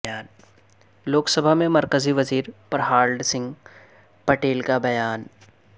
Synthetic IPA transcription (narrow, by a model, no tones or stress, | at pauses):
aːn | loːksəbʱamẽmɐɾkəziʋɐziːɾpɐɾɦaːlɖsɪ̃ŋɡ | pɐʈeːlkabɐjaːn